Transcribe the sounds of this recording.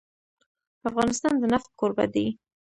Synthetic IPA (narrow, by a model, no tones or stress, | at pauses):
afɣɑnɪst̪ɑnd̪ənaft̪̚koɾbad̪e